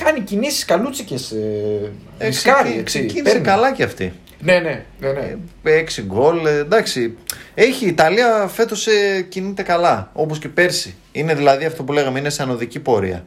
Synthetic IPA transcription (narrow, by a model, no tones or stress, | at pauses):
kɐnicinisi̥skɐlut͡sices | eɐɾiksecinisekɐlɐceɐft̪ḭ | nenenneeksiɡo̞ld̪ɐksie̞çiːt̪ɐliɐfe̞t̪o̞secinit̪e̞kɐlɐo̞posce̞pe̞ɾsi | ine̞ðilɐðiɐft̪o̞pule̞ɣɐmeinesɐno̞ðicipo̞ɾḭɐ̰